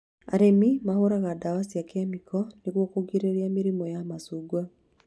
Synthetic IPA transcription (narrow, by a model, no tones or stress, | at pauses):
a̰ɾemimahoɾaɣadawasiakɛmikʰɔneɣwɔkoɡiɾeɾiamiɾimɔjamasuɡwa